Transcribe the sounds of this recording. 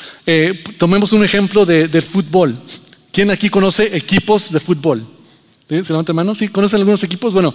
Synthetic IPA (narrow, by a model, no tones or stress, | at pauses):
et̪o̞mẽ̞mo̞sune̞xe̞mplo̞ðeðelfut̪̚bo̞lkje̞nakiko̞no̞se̞ʔekipo̞zðe̞fut̪̚bo̞l | iseleβant̪emanosikono̞s̬enalɣunos̬e̞k̬iposzbweno